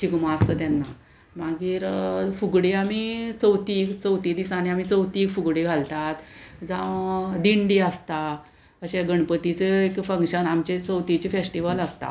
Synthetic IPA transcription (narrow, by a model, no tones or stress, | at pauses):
t͡ɕikmask̪ət̪janːa̰ | maɡiːɾfuɡɽeamit͡səwt̪iːkt͡səwt̪id̪isaneamit͡səwt̪iːkfuɡɽeɡʱalt̪at̪d͡zãd̪iɳɖiəst̪a | əɕeɡəɳpət̪it͡seekfəŋkɕənamt͡ɕet͡səwt̪it͡ɕifesʈiʋələst̪a̰